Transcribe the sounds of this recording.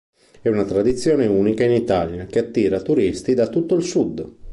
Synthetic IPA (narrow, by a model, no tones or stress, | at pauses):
ɛunat̪ɾad̪it̪sːjɔːneuːnikainit̪aːljakeat̪ːiːɾat̪uɾist̪id̪at̪ːut̪ːoilsud̪ː